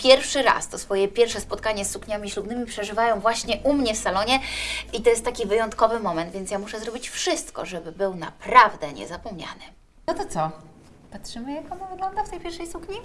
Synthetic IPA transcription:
pʲjɛɾfʂɘɾa̰st̪ɔsfɔjɛpʲjɛɾfʂɛspɔt̪̚kaɲɛsːukɲamʲiɕlub̪nɘmʲipʂɛʐɘvajɔ̃w̃vwaɕɲɛʔumɲɛfsalɔɲɛit̪ɔjɛst̪t̪ːakʲivɘjɔnt̪kɔvɘmɔmɛnd̪vʲjɛnt̪sjamuʂɛzɾɔbʲit͡ɕfʂɘst̪kɔ̰ʐɛbɘbɘwna̰pɾavd̪ɛɲɛ̰zapɔmɲa̰nɘ | nɔt̪ɔt̪sɔ | patʂɘmɘjakɔnɔvɘɡlɔnd̪aft̪ɛjpʲjɛɾfʂɛjsukɲi

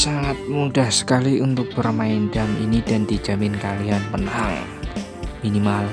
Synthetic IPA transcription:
saŋat̪̚mudahsə̥kaliʔunt̪ʊk̚b̥ərmaindamḭnid̥andi̥d͡ʒ̥amɪnkalianpənaɦa̰ŋ | minimal

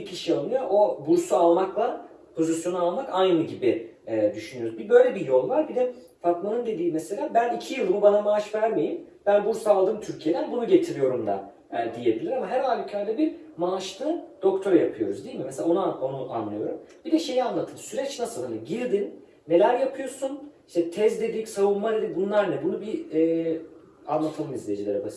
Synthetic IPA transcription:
icʰiʃialˠɯjoʔo̞buɾsualˠmaklˠa | pʰo̞zisjo̞nualˠmakajnɯɟibiɛd̪yʃynyjoɾuzbibø̞jlʲebijo̞lˠvaɾbid̪ɛ | fak̪manɯnd̪e̞d̪iːmese̞lʲaːbænicʰijɯlˠunubanamaːaʃvæɾme̞jimbænbuɾsualˠd̪ɯːmt̪ʰyɾcʰije̞d̪ænbunuɟe̞t̪ʰiɾijo̞ɾumd̪a̰ | d̪ije̞bilʲiɾamaɦæɾɦaːlʲycʰaɾd̪ʲɛbiɾmaːʃlˠɯd̪̥o̞kt̪ʰøɾjapʰɯjo̞ɾuzd̪ijilmimɛselʲaonuonuʔa̰nlˠɯjo̞ɾumb̥id̪ɛʃe̞jianlˠat̪ʰɯnsyɾɛt͡ʃnasɯlˠɯnɯɟiɾd̪inː | e̞lʲæɾjapʰɯjo̞ɾsuniʃt̪ʰɛt̪ʰɛzd̪ed̪icsavunmad̪ed̪ibunlˠaɾnɛbunubiɛː | a̰nlˠat̪ʰalˠɯmizlʲed͡ʒilʲeɾɛbas

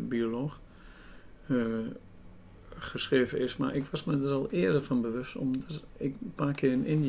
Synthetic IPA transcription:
bioloːx | χəsχreːvəɪsma̰rʔɪkʋɔsmɛdəɾɔlˠɪːədəfɔnbəʋøstɔ̰mdɔt | ɪkpaːkʰɪənɪn

